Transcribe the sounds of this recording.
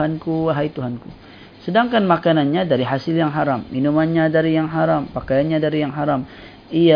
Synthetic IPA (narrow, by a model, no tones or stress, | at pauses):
ankuɦajt̪uɦanku | sədaŋkanmakananɲadaɾiɦasɪljaŋɦaɾamːinumanɲadaɾijaŋɦaɾampakajanɲadaɾijaŋɦaɾam | ia